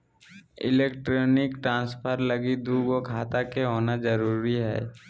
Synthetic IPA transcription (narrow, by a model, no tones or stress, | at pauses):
ɪ̰leːkʈɾoːnɪkʈɾãːnspʰəɾləɡid̪uːɡokʰaːt̪akeɦoːnazəɾuːɾiɦɛ̰ː